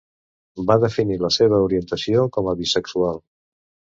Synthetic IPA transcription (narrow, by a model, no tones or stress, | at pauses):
baðəfiniləseβ̞əuɾiənt̪əsiokɔməβisəksualˠ